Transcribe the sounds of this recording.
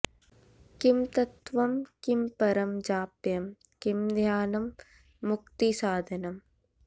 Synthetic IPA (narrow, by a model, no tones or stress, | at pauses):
kimt̪ɐt̪ʋɐmkimpɐɾɐmd͡ʒaːpjɐm | kimd̪ʱjaːnɐmː | uk̚t̪isaːd̪ʱɐnɐm